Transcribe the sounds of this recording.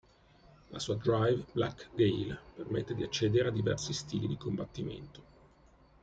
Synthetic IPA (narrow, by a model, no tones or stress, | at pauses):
la̰suːad̪ɾajvbla̰kɡejlpermet̪ːed̪iat͡ʃːɛːd̪eɾead̪ːivɛ̰rsist̪iːlid̪ikombat̪ːimḛnt̪o̥